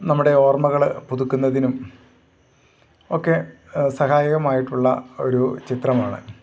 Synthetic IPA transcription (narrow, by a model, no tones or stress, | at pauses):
nɐmːuɽe̞o̞ːrmɐɣɐɭpuðukːunːɐðinum | o̞ːkːe̞ | sɐhaːjɐɣɐmaːjiʈːuɭːɐ̰o̞̰ɾut͡ɕit̪rɐmaːɳɨ̰